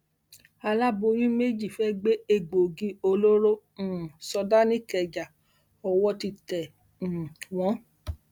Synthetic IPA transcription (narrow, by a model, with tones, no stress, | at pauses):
a˧la˦bo˧ɾĩ˦me˦d͡ʒi˦˨fɛ˦ɡ͡be˦e˧ɡ͡bo˨ɡi˧˦o˧lo˦ɾõ˦˨ | sɔ˧da˦nĩ˦kɛ˨d͡ʒa˨ | ɔ˨wɔ˧ti˧tɛ̃˨ | w̃ɔ̃˨˦